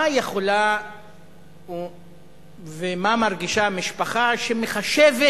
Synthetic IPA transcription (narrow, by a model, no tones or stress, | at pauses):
ajeχo̞la | vemamaʁɡiʃamiʃpaχaʃemeχaʃeve